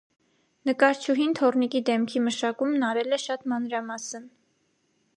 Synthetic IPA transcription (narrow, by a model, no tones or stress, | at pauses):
nəkɑɾt͡ʃʰuɦint̪ʰɔrnikid̪ɛmkʰiməʃɑkumnɑɾɛlɛʃɑt̪mɑnɾɑmɑsən